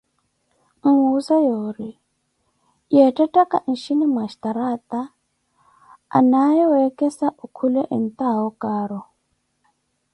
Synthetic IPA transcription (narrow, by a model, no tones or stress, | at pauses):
ŋ̩usajoːɾi | jɛtʼatʼaka̰n̩ʃinimaʃi̥t̪aɾat̪a | najɛɛkɛsaʔukʰulɛʔen̩t̪aɔkaːɾɔ